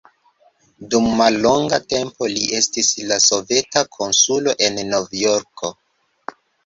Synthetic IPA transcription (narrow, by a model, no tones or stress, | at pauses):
dumːalːo̞ŋɡate̞mpo̞liʔe̞stislaso̞ve̞takʰo̞nsulo̞ʔe̞nːo̞vjoɾko̞